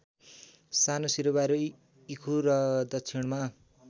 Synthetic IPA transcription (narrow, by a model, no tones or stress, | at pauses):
sanosiɾobaɾo | ikʰuɾʌd̪ʌkt͡sʰiɳma